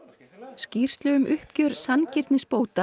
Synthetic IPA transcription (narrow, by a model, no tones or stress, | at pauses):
sciːr̥st̪lœɣʏmʔʏhpcœɾsancɪɾt̪nɪspoːwt̪a